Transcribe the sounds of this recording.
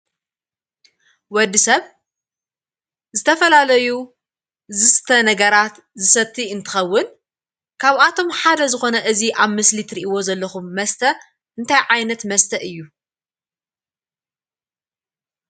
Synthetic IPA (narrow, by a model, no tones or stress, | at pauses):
wɔd̪ːisɐβ | zɨt̪ʰɐfɐlalɐju | zɨst̪ʰɐnɐɡɐɾat̪ | zɨsɐt̪ʰːiɨnt̪ʰɨ̥xɐwːʊn | kʰaβat̪ʰo̞mħad̪ɐzɨxo̞nɐʔɨziʔaβmɨslit̪ʰɨɾiʔiwo̞zɐlːɐxumːɐst̪ʰɐ | ʔɨnt̪ʰajʕajnɐt̪mɐst̪ʰɐʔɨjːu